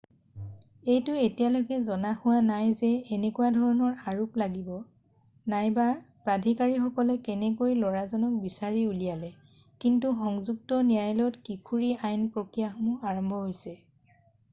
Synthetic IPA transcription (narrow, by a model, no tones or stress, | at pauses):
ejtʊetijalojkɛzɔnaxʊwanajzɛːnɛkuwadʱɔɹɔnɔɹaɹuplaɡibɔ | najba | pɹadʱikaɹixɔkɔlɛkɛnɛkojlɔɹazɔnɔk̚bisaɹiulijalɛ | kintuxɔŋzuk̚tɔnijajlɔtkikʰuɹiajnpɹokɹijaxɔmɔaɹɔmbʱɔɦojsɛ